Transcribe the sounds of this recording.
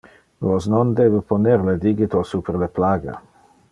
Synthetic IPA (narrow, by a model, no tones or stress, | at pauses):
losnond̪eːbeponeɾled̪iɡit̪osupeɾleplaːɡa̰